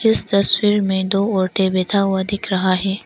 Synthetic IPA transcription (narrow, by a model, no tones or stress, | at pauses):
ɪst̪ɐswiɾmẽd̪oːoːɾʈebet̪ʰawad̪ɪkɾɐɦaɦe